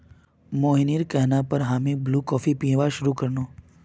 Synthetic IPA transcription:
moːɦiniːɾkɛɦnapəɾɦaːmĩbluːkɔːfipĩʋaʃʊɾukəɾnoː

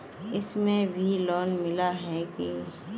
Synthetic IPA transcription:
ɪsmẽbʱilɔːnmɪlaɦɛke

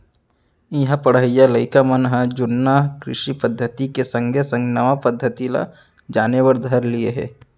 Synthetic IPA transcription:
iɦãpɐɽɦəjaləɪkamɐnɦəd͡ʒʊnːakɾɪ̰ʃipəd̪ʱːət̪ikesɐ̃ŋɡʱesə̃ŋɡnɐʋapəd̪ʱːət̪ila̰ | d͡ʒaːnewəɾd̪ʱɐɾlieɦɛ̰ː

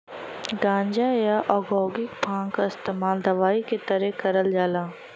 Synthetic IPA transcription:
ɡãːɲd͡ʒajaːʔɔːɡoːɡɪkpʰãːŋkaɪst̪eːmaːld̪ɐʋaːiket̪ɐɾekɐɾəld͡ʒaːlãː

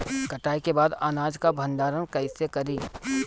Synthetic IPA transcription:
kɐʈaːikebaːd̪aːnaːd͡ʒkabʱə̃nd̪aːɾənkɐɪsekɐɾiː

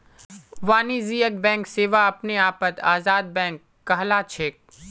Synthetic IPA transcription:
ʋaːniːziːək̚bɛ̃ːŋkseːʋaɐpneaːpət̪aːzaːd̪̚bɛ̃ːŋkːɐɦlaːt͡ʃʰeːk̚

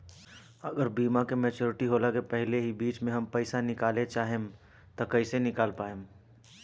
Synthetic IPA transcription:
ɐɡəɾbiːmakemɛːt͡ʃoːɾɪʈiɦoːlakepɛɦɪleɦibiːt͡ʃmẽɦɐmpɛɪsanɪkaːlet͡ʃaːɦem | t̪okəɪsenɪkaːlpaːem

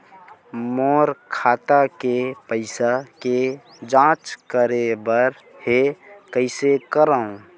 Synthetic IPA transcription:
moːɾkʰaːt̪akepəɪsake | d͡ʒãːt͡ʃkəɾebəɾ | hekəɪsekəɾaːũ

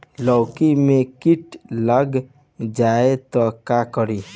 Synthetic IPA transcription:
lɔwkimekiʈləɡ | d͡ʒaet̪ɔkakɔɾi

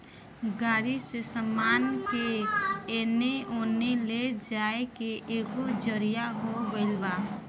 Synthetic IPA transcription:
ɡaːɾisesəmaːnkeeːneoːneled͡ʒaːekeʔeːkod͡ʒəɾijaɦoɡəɪlbaː

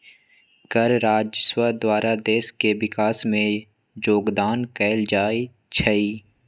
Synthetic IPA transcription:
ɡəɾɾaːd͡ʒəswəd̪waːɾad̪eːskewɪkaːsmẽ | d͡ʒoːɡd̪aːnkɛːɪld͡ʒaːi | t͡ʃʰɐiː

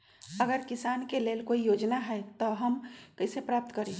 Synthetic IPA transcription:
əɡəɾkɪsaːnkeleːlkoːijoːd͡ʒnaɦɛt̪oɦəmkəɪsepɾaːp̚t̪kəɾẽː

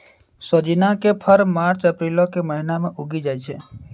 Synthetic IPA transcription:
soːd͡ʒinakepʰəɾmaːɾt͡ʃəpɾiːlokeməɦinamẽʔʊɡid͡ʒaːjt͡ʃʰeː

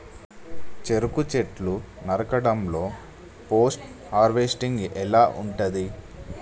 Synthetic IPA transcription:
t͡ʃe̞ɾukut͡ʃeʈlu | nɐɾɐkɐɽɐmlo̞ː | poːsʈ | haːɾʋesʈiŋɡɛlaːʔuɳʈɐd̪i

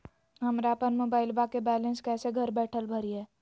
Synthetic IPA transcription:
ɦəmɾapəɾmoːbaːɪlbakebɛːlẽnskɛːseɡʱəɾbɛːʈʰəlbʱəɾiɦɛː

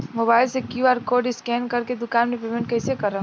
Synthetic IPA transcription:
moːbaːɪlsekjuaːɾkoːɖɪskɛːnkɐɾked̪ʊkaːnmẽpeːmẽɳʈ̚kɛːsekɐɾã

